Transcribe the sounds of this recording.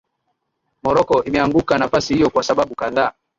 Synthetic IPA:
mɔɾɔkɔʔimɛaŋɡukanafasihijɔkwasaɓaɓukaðaː

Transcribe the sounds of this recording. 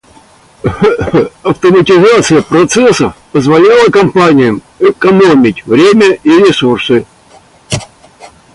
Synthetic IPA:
ɐft̪əmətʲɪzat̪sɨjəpɾɐt̪sɛsəfpəzvɐlʲalˠəkɐmpanʲɪjəm | ɛkɐnomʲɪtʲvɾʲemʲəʔiɾʲɪsursɨ

